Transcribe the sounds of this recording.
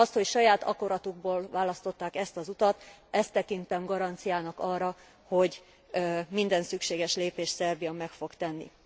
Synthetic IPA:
ɒst̪ho̞cʃɒjaːt̪ɒ̰ko̞ɾɒt̪uɡ̚boːlvaːlɒst̪o̞t̪ːaːkɛst̪ɒzut̪ɒt̪ɛst̪ːɛkint̪ɛmɡɒɾɒnt̪sijaːnɒkɒrːɒ | ho̞ɟ | mind̪ɛnsykʃeːɡɛʃleːpeːʃt̪sɛrbijɒmɛkfo̞kt̪ɛnːḭ

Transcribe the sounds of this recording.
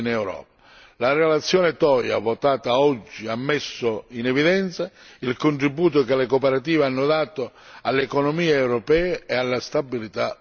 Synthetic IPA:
nɛwɾɔ̰ːp̚ḁ | larɛlat̪sːjɔːnɪt̪ɔja̰vɔt̪aːt̪aɔd͡ʒːiamːɛsːʊinɛviðɛnt̪sailkʊɳʈ̪ɾibːuːt̪̬ʊkɪlɛkopɛɾat̪̬iːvanːʊd̪aːt̪ʊ | alːɛkɔnɔmiːeɛwɾɔpɛːeɛalːast̪abilit̪a

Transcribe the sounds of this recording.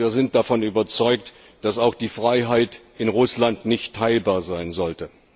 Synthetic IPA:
iːɐzɪnt̚d̥afɔnyːbɐt͡sɔʏk̚t | d̥asaʊxd̥iːfʁ̥aɪɦaɪtʔɪnʁʊslantnɪçtʰːaɪlbaːɐzaɪnzɔltə

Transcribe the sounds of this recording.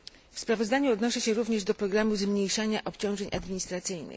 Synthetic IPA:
fspɾavɔzd̪aɲuɔd̪nɔʂɛɕɛɾuvɲɛʐd̪ɔpɾɔɡɾamuzmɲejʂaɲaʔɔpʲt͡ɕɔ̃w̃ʐɛɲʔad̪mʲiɲist̪ɾat̪sɘjnɘ̰

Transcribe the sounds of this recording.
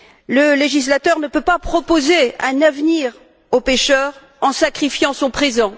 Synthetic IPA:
ləleʒislat̪œʁnəpøpapχɔpozeɛ̃navniʁ | opeʃœʁ | ɑ̃sakχifjɑ̃sɔ̃pχezɑ̃

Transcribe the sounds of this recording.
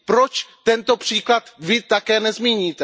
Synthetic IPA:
pɾot͡ʃt̪ɛnt̪o̞pr̥iːklat̪vɪt̪akɛːnɛzmiːɲiːt̪ɛ

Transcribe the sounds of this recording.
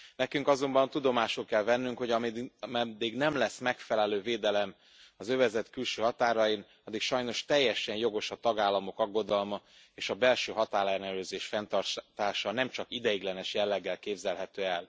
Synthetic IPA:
nɛkyŋkɒzo̞mbɒnt̪ud̪o̞maːʃulkɛlvɛnːyŋkho̞ɟɒmmɛd̪ːiɡnɛmlɛsːmɛkfɛlɛløːveːd̪ɛlɛm | ɒzø̞vɛzɛt̪kylʃøːɦɒt̪aːɾɒjin | ɒd̪ːikʃɒjno̞ʃt̪ɛjːɛʃɛnjo̞ɡo̞ʃɒt̪ɒɡaːlːɒmo̞kɒɡːo̞d̪ɒlmɒ | eːʃɒbɛlʃøːɦɒt̪aːlɛrnɛløːzeːʃfɛnt̪ɒrt̪t̪aːʃɒnɛmt͡ʃɒkid̪ɛjiɡlɛnɛʃjɛlːɛɡːɛlkeːbzɛlɦɛt̪øːɛl

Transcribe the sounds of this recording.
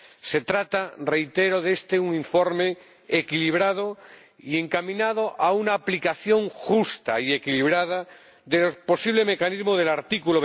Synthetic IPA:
se̞t̪ɾat̪are̞jt̪eɾoðe̞st̪euŋiɱfoɾmeː | kiliβ̞ɾað̞o | ie̞ŋkamĩnað̞oʔaunaːplikaθjo̞ŋxust̪a̰ie̞kiliβ̞ɾað̞a | ðelopo̞siβ̞leme̞kanizmoð̞e̞laɾt̪ikuloβ

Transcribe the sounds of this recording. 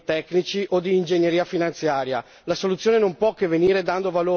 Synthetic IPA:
t̪ɛknit͡ʃiʔod̪iːnd͡ʒeɲːeɾiːafinant̪sjaːɾja | lasolut̪sːjoːnenompwɔkːeveniːɾed̪and̪ovaloː

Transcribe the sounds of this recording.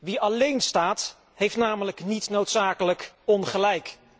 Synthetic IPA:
ʋiɑlejnstaːt | ɦejftnaːmələknitnowtsaːkələkɔnχəlɛjk

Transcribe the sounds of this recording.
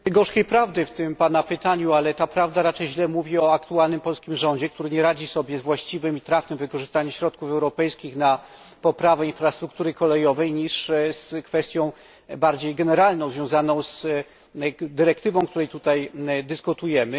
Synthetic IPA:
ɡɔʂkʲejpɾavd̪ɘft̪ɘmpanapɘt̪aɲualɛt̪apɾavd̪aɾat͡ʂɛjʑlɛmuvʲiɔakt̪ualnɘmpɔlskʲimʐɔɲd͡ʑɛk̚t̪uɾɘɲɛɾad͡ʑisɔbʲjɛzvwaɕt͡ɕivɘmit̪ɾaft̪ɛmvɘkɔʐɘst̪aɲɛɕɾɔt̪kufɛwɾɔpɛjskʲixna | pɔpɾavɛinfɾast̪ɾuk̚t̪uɾɘkɔlɛjɔvɛjɲiʂskfɛst̪ʲjɔ̃w̃ | baɾd͡ʑejɡɛnɛɾalnɔ̃zvʲjɔ̃w̃zanɔ̃w̃z | d̪ɘɾɛkt̪ɘvɔ̃w̃kt̪uɾɛjt̪ut̪ajd̪ɘskut̪ujɛmɘ

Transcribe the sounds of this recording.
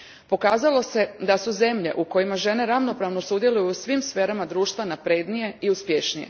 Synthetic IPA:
po̞kaːzalo̞se̞d̪asuze̞mʎe̞̰ʔuko̞jimaʒe̞ne̞ɾaʋno̞pɾaːʋnosud̪je̞lˠujuusʋimsfeːɾamad̪ɾuːʃt̪ʋanapɾed̪nije̞iuspjeʃnije̞̰

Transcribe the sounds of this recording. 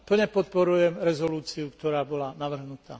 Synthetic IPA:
pl̩ɲɛpɔt̪̚pɔɾujɛmɾɛzɔluːt͡siukt̪ɔɾaːbɔlanaʋr̩ɦnut̪a̰ː

